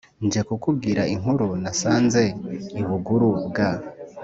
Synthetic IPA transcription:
nd͡ʒekukubɡiːɾaiŋɦuɾunasaːnze̞iβuɡuɾubɡa

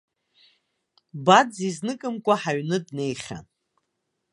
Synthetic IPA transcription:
bad͡ziznɨkʼɨmkʷʼaħaɥnɨdne̞jχʲa̰n

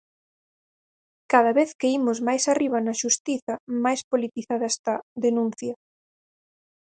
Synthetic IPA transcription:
kaðɐβeθkeimʊzmajsariβ̞ɐnɐʃust̪iθɐmajspolit̪iθaðɐest̪aðenũn̟θjɐ

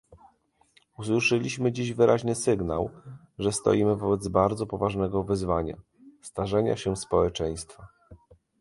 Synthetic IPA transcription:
us̬wɘʂɛlʲiɕmɘd͡ʑiʑvɘɾʔaʑnɘsɘɡna̰w | ʐɛst̪ɔ̰jimɘvɔbɛd̪zbaɾd̪zɔpɔvaʐnɛɡɔvɘzvaɲa̰ | st̪aʐɛɲa̰ɕɛspɔwɛt͡ʂɛj̃st̪fa

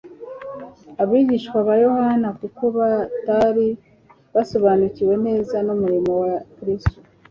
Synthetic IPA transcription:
aβiːɟiʃkwaβajo̞hanakuko̞βataɾi | βaso̞βanuciwe̞ne̞ːzanomuɾimo̞wakɾistu̥

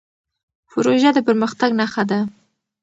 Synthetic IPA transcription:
pʊɾoʒad̪əpəɾməxt̪aɡnaxad̪a

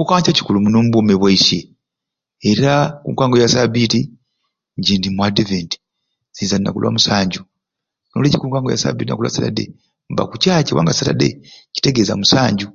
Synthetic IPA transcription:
kokacaci̥kulumunoːmuβomeβwaise | eɾakṵːŋkaːŋɡojasabiti | ɲɟindimwadiventi̥ | z̥iːzaina̰kulwa̰musaːɲɟu | no̰ːlecikuːŋkaːŋɡoja̰sa̰bitina̰kulwa̰satadḛ | mba̰kucaːcewa̰ːŋɡasata̰deci̥te̞ɡe̞za̰musaːɲɟu

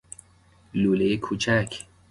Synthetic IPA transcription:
luːlejekʰuːt͡ʃʰækʰ

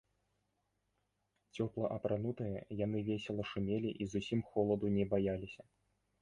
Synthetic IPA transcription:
t͡sʲɔplˠɐʔɐpɾanut̪ɨjɐjan̪ɨvʲesʲɛlˠɐʂumʲelʲiʔizusʲimxɔlˠɐd̪unʲɛbajalʲisʲɐ

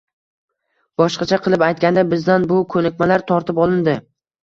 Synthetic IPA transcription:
b̥ɒʃqɑt͡ʃʰaqʰɨlˠɪpajt̪̚kʲand̪abɪzd̪anbʊkʰɵnɪk̚ʲmalaɾt̪ʰɒɾt̪ʰɪpɒlˠɪnd̪ɪ

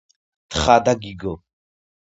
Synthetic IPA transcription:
t̪ʰχad̪aɡiɡɔ

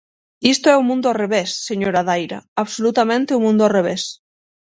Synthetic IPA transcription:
ist̪oɛumũnd̪oareβesːeɲoɾaðajɾa̰aβsolut̪amẽnt̪eumũnd̪oareβ̞es

